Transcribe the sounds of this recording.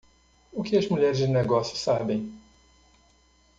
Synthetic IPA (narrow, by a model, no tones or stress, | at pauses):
ʊkɪɐzmuʎɛɾɪzd͡ʒɪneɡɔsjʊ̥sabẽj̃